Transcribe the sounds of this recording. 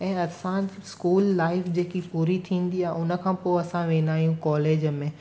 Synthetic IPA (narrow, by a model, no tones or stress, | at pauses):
ɛ̃ːɐsãskuːlːaːɪfd͡ʑeːkipuːɾit̪ʰĩːnd̪iaːɦeʊnə̆kʰãːpoːɐsãʋẽːnaːijũkɔːleːd͡ʑəmẽː